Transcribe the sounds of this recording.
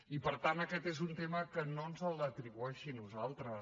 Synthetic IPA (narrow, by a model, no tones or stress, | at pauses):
ipəɾt̪anəkɛt̪ezunt̪eməkənonzəlˠət̪ɾiβuɛʃinuzalˠt̪ɾə